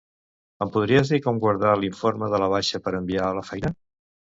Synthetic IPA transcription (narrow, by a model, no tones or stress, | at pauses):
əmpuðɾiəzðikomɡwəɾðaliɱfoɾməðələβaʃəpəɾəmbialəfɛjnə